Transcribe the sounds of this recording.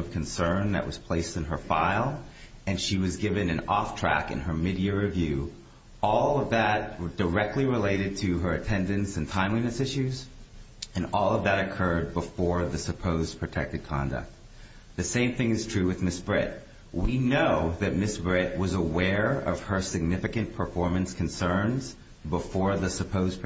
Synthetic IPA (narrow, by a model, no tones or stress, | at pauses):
ʌv̥kʰɨ̃n̩sɜ̃˞nðɨ̰ʔwʌ̰z̥pʰl̥eɪstɨ̃n̩ə˞faɪlˠ | ɨ̃nʃiwʌzɡɪvɨ̃nɨ̃nɔftʰɹ̥æ̰kɨ̰̃nə˞mɪɾiɨɹɨvjʉ | ɔlˠʌvðɨt̚d̥ə˞ɛk̚tʰˡliɹəleɪɾɨd̚tʰɨə˞ɨtʰɛ̃ndɨ̃nsɨ̃n̩tʰãɪ̃mlinɨsɪʃʉz | ɨ̃nɔlˠʌvðɨɾɨkʰɜ˞d̚bəfɔɹðɨsɨpʰoʊzpʰɹ̥ɨtʰɛk̚tɨd̚kʰɑ̰̃ndɨ̰k̚t̚ | ðɨsẽɪ̃mθɪ̃ŋɨz̥tʰɹ̥ʉwɨðmɪsb̥ɹɪ̰t̚ | winoʊðɨt̚mɪsb̥ɹɪt̚wʌzəwɛɹʌ̰v̥ə˞sɨɡ̚nɪfɨkɨ̃npʰə˞fɔɹmɨ̃nskʰɨ̃n̩sɜ̃˞nz̥ | bəfɔɹðɨsɨpʰoʊzpʰ